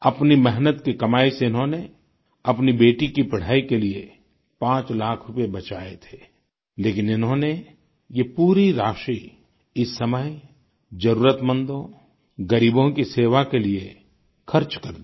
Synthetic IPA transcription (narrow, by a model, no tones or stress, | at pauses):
ɐpnimɛɦnət̪kikɐmaːiseɪnɦõne | ɐpnibeːʈikipɐɽ̤aːikelie | pãːt͡ʃlaːkʰɾʊpebɐt͡ʃaːet̪ʰe̥ː | leːkɪnɪnɦõne | jepuːɾiɾaːʃi | ɪsːɐməj | d͡ʒɐɾuːɾət̪mə̃nd̪õ | ɡɐɾiːbõkiseːʋakelie | xʰɐɾt͡ʃkɐɾd̪i